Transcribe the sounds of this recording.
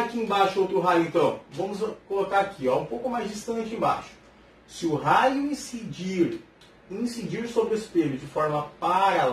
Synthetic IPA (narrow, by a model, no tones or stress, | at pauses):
akiẽbaʃʊowt̪ɾʊɦajʊẽnt̪ɐ̃w̃vɐ̃mʊzkolokaɾakʰiɔũpowkʊmajzd͡ʒist̪ɐ̃t͡ʃɪẽba̰ʃʊ̥ | sɪʊɦajʊĩsiiɾ | ĩsid͡ʒiɾsobɾɪespeʎʊd͡ʒɪfɔɾmɐpaɾa